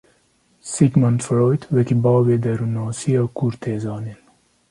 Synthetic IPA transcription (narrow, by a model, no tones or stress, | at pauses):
sikmɐnt̪fɾojt̪ʰwekibɑːwed̪ɐɾunɑːsijɑkuɾt̪ʰeːzɑːnil